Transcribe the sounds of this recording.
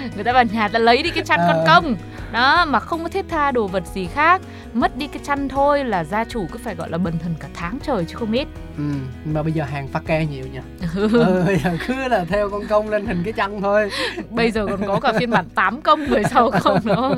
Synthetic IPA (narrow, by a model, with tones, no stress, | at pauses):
ŋɨ˨˩əjt̪aː˧vaː˨˩ɲaː˨˩t̪aː˧˩lə˨˦jɗi˧kaː˨˦t͡ɕa˧jnkkɔ˧nnkə˧wŋ͡m | ɗɔ˨˦maː˨˩xə˧wŋ͡mkɔ˨˦t̪ʰi˦˥t̚t̪ʰaː˧ɗo˨˩və˨˩t̚zi˨˩xaː˦˥k̚ | mə˦˥t̚ɗi˧kaː˨˦jt͡ɕa˧jŋ̟t̪ʰo˧jlaː˨˩zaː˧t͡ɕu˧˩kɨ̰˨˦faː˧˩jɣɔ̰˧˨jlaː˨˩ɓə˨˩nt̪ʰə˨˩nkaː˧˩t̪ʰaː˨˦ŋt͡ɕəː˨˩jt͡ɕɨ˨˧˦xə˧wŋ͡mʔe˦˥t̚ | ʔɨ˨˩m˧maː˨˩ɓə˧jzəː˨˩ɦaː˨˩ŋfaː˦˥k̚kɛ˧ɲi˨˩əwɲa˧˦ʔɨ˨˩˧jzəː˨˩kɨ˨˦laː˨˩t̪ʰɛ˧wkɔ˧nkə˧wŋ͡mle˧nt̪hï˨˩ŋ̟kaː˨˦t͡ɕa˧ŋt̪ʰo˧jɓə˧jzəː˨˩kɔ˨˩nkɔ˨˦kaː˧˩i˧nɓa̰ː˧˩˨nt̪aː˨˦mkə˧wŋ͡mvɨ˨˩əjsa˨˧˦wxə˧ŋ͡mnɨ˧˥ə